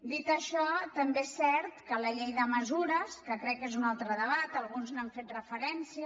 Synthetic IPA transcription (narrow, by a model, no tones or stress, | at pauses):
d̪it̪əʃɔt̪əmbesɛɾt̪kələʎejðəməzuɾəskəkɾɛkːezunalˠt̪ɾəðəβat̪əlˠɣunznaɱfet̪rəfəɾɛnsiə